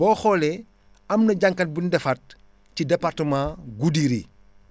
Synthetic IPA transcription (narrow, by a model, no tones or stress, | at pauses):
bɔːxɔːlɛ | ɐmnɐɟaŋkɐt̚bindɛfɐt̚ | cidɛpartəmaːɡudiɾḭ